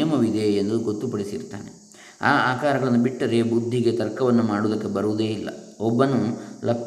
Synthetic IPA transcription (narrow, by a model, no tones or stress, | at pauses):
ɐmɐʋid̪eːnd̪uɡo̞t̪ːupɐɽisḭɾt̪aːnḛ | aːaːkaːɾɐɡɐɭɐnːubiʈːɐɾebud̪ʱːiɡet̪ɐɾkɐʋɐnːumaːɽud̪ɐkːe̞bɐɾuʋud̪e̞ːilːɐ̰ɔbːɐnulɐp